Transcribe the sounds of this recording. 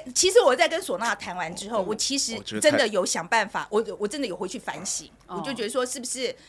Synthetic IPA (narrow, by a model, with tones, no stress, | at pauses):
t͡ɕʰi˧˥ʂɻ̩˧˥wɔ˨˩t͡sa˥˩ɪkə˦nswɔ˨˩na˥˩t̪ʰa˧˥nwa˧˥nʈ͡ʂɻ̩˥xo˥˩ʊwɔ˨˩t͡ɕʰi˧˥ʂɻ̩˧˥ʈ͡ʂə˦˥nd̪ə˨jo˨˥ʊɕjɑ˨˩ŋpa˥˩nfa̰˨˩˦wʔɔ˨˩˨wɔ˨˩ʈ͡ʂə˦nd̪ə˨jʊxwe˧ɪt͡ɕʰy˥˩fa˧˥nɕḭ˨˦˨t͡ɕjo˥˩ʊt͡ɕɥ̪ə˧ʂwɔ˥ʂɻ̩˥˩bu˩ʂɻ̩˥˩